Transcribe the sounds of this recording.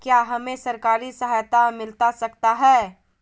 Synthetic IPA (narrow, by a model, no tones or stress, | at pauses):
kjaːɦɐmẽsɐɾkaːɾisɐɦajt̪amɪlt̪asɐkt̪aɦɛː